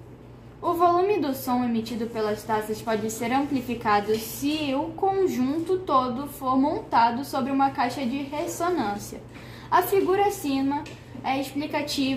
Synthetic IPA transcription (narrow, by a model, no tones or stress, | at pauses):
ʊvolũmɪd̪ʊsõw̃emit͡ʃid̪ʊpelɐst̪asɐspɔd͡ʒɪseɾɐ̃mplifikad̪ʊsɪʊkõʒũnt̪ʊt̪od̪ʊfoɾmõnt̪ad̪ʊsobɾɪũmɐkajʃɐd͡ʒɪɦesonɐ̃siɐ̰ | ɐfiɡuɾɐsĩmɐ | ɛisplikat͡ʃiv